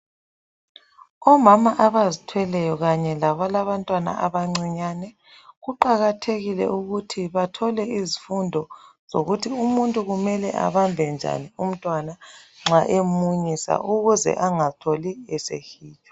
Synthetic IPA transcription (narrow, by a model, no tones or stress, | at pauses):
ɔmamaʔaβazitʰwɛlɛjɔɣaɲɛlaβɔlaβantʼwana̰ʔaβaŋ͡ǀiɲanɛ | ɣuǃaɣatʰeɣilɛ̰ʔuɣutʰiβatʰɔlɛizifundʱɔz̥oɣutʰiumuntʼuɣumɛlɛʔa̰βambʱɛnd͡ʒʱa̰nium̩tʼwanaŋ͡ǁaʔemuɲisa̰ʔuɣuzɛ̰ʔaŋatʰoliɛsḛhiːt͡ʃʼɔ̥